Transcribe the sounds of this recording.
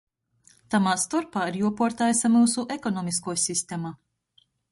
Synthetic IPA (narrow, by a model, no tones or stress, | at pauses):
t̪amaːst̪ɔɾpaːiɾjuɔpuɔɾt̪aːjsamuːsuʔekɔnɔmiskuɔjsist̪ema